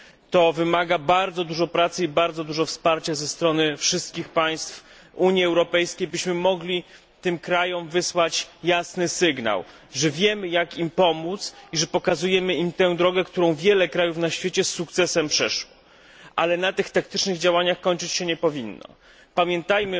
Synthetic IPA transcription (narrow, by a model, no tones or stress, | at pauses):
t̪ɔvɘmaɡabaɾd̪zɔd̪uʐɔpɾat̪sɘibaɾd̪zɔd̪uʐɔfspaɾt͡ɕazɛst̪ɾɔnɘfʂɘst̪̚kʲixpaj̃st̪f | uɲjiɛwɾɔpɛjskʲejbɘɕmɘmɔɡlʲi | t̪ɘmkɾajɔmvɘswat͡ɕjasnɘsɘɡna̰w | ʐɛvʲjɛmɘjakimpɔmut̪siʐɛpɔkazujɛmɘimt̪ɛ̃w̃d̪ɾɔɡɛkt̪uɾɔ̃w̃vʲjɛlɛkɾajufnaɕfʲet͡ɕɛsːukt̪sɛsɛmpʂɛʂwɔ | ʔa̰lɛnat̪ɘxt̪ak̚t̪ɘt͡ʂnɘɣd͡ʑawaɲaxkɔɲt͡ʂɘt͡ɕɕɛɲɛpɔvʲinːɔ̰ | pamʲjɛnt̪ajmɘ